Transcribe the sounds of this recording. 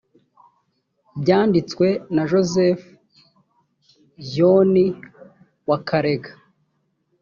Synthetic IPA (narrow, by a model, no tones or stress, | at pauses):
bɟaːndit͡swe̞naʒo̞zef | joni | wakʰaɾe̞ɡḁ